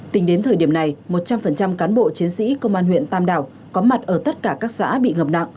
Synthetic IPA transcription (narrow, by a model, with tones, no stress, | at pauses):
t̪ï˨˦ŋ̟ɗe˨˦nt̪ʰəː˨˩jɗi˧˩əmna˨˩jmo˨˩t̚t͡ɕa˧mfə˨˩nt͡ɕa˧mkaː˨˦nɓo̰˧˨t͡ɕi˨˦ənsḭ˧˥kə˧wŋ͡mʔaː˧nɦwḭ˧˨ənt̪aː˧mɗaː˧˩w | kɔ˨˦ma˨˩t̚ʔəː˧˩t̪ə˦˥t̚kaː˧˩kaː˦˥k̚sa̰ː˧˥ɓḭ˧˨ŋə˨˩p̚na̰˧˨ŋ